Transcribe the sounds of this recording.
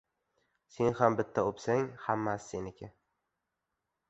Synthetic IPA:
se̞nhambɪt̪ʰːaopsaŋhamːasːenɪkʲʰa

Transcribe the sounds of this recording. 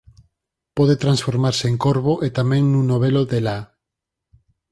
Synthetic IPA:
pɔðet̪ɾãnsfoɾmaɾseeŋkoɾβoʔet̪amẽŋnũnoβ̞eloðela

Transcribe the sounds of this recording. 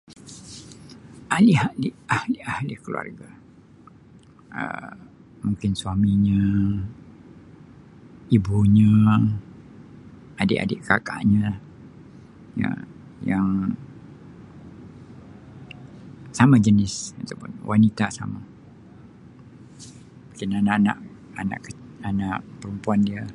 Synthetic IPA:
ʔaliɦaliahliahlɪhkəlṵa̰rɡa | ə̰ | muŋkɪnswamiɲə̃ | ibuɲə̃ | adɪʔa̰dɪʔkaka̰ʔɲə̃ | ja̰ | jaŋ | samad͡ʒənɪsat̪awpʊ̰nwʔanit̪asa̰ma | mũŋkɪnanaʔana̰ʔ | ana̰ʔkəanaʔpəɾəmpuandiə

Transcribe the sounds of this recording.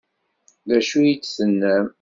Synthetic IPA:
ðæʃujit͡sːsənːəm

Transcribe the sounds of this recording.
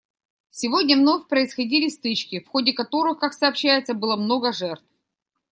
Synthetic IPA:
sʲɪvo̞dʲnʲəvnofʲpɾəɪsxɐdʲilʲɪst̪ɨt͡ɕkʲɪfxo̞dʲɪkɐt̪o̞ɾɨxkaksɐːpɕːæjɪt̪səbɨlˠəmno̞ɡəʐɛrt̪f

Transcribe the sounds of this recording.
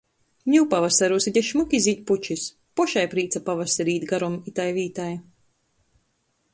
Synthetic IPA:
ɲʲuwpavasaɾuːsiɟʲɛʃmukʲiziːt̪̚ʲput͡ʃis | pɔʃajpɾiːt̪sapavasaɾiːt̪ʲɡaɾɔmit̪ajviːt̪aj

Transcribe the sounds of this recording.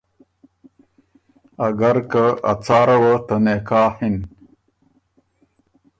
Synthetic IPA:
ɐɡɐɾkɐɐ̰t͡saːɾɐwɐt̪ɐnekaːhin

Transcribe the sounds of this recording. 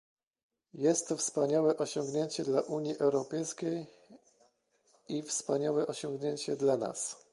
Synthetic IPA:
jɛst̪ːɔfspaɲawɛʔɔɕɔŋɡɲeɲt͡ɕɛd̪laʔuɲjiʔɛwɾɔpɛjskʲej | ifspaɲawɛʔɔɕɔŋɡɲeɲt͡ɕɛd̪lana̰s

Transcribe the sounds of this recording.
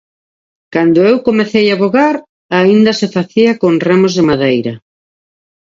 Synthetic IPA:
kand̪oewkomeθejaβoɣaɾ | aind̪ɐsefaθiɐkoŋremozðemaðejɾɐ

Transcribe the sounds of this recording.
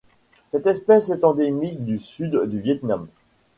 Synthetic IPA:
sɛt̪ɛspɛsɛt̪ɑ̃d̪emik̚d̪ysyd̪d̪yvjɛt̪nam

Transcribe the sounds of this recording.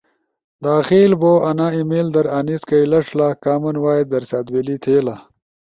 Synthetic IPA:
d̪aːxiːlboːɐnaimeld̪ɐɾaniskɐjlɐʂlakaːmɐnwaːjed̪ɐɾsaːd̪welit̪ʰeːla

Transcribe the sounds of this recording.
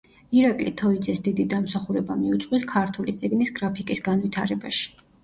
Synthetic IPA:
iɾakʼlḭt̪ʰɔid̪zɛsd̪id̪id̪amsaχuɾɛbamiut̪sʼwiskʰaɾt̪ʰulit̪sʼiɡnisɡɾapʰikʼisɡanvit̪ʰaɾɛbaʃi̥

